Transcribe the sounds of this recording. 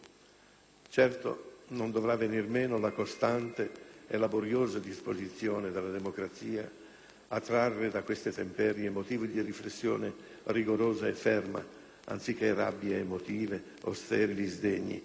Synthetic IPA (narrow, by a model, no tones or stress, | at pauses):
t͡ʃɛrt̪o̰nond̪ovɾavːenirmeːnolakost̪ant̪eḛlaboɾjoːzad̪ispozit̪sjoːned̪alːad̪emokɾat̪siːa̰ | at̪ːɾarːed̪akwest̪et̪empɛɾjemot̪iːvid̪iriflesːjo̰ːne | riɡoɾoːzaefːɛrma̰ | a̰nt̪sik̟ːera̰bːjaemot̪iːve | o̰st̪ɛːɾilizd̪eɲːḭ